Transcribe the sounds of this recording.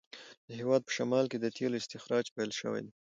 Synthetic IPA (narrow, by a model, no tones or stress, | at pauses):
d̪̥əɦewɑd̪̚pə̥ʃamɑlked̪ət̪ʰeloɪst̪ɪxɾɑd͡ʒpelʃə̰wḛjd̪e